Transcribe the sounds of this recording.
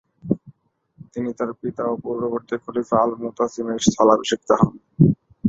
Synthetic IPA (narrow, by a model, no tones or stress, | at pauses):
t̪init̪aɾpit̪aopɔɾboβoɾt̪ikʰolifalmot̪asimest̪ʰalabʃik̚t̪aɦɔn